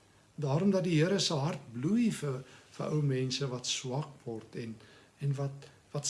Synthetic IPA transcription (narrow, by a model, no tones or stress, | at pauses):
dɑːɾɔmdɐt̚diɦiəɾəsəɦɐrt̚blujfəfəʔəwmɛnsəvɐtswɐkvɔrtɛn | ɛnvɐt̚ | vɐt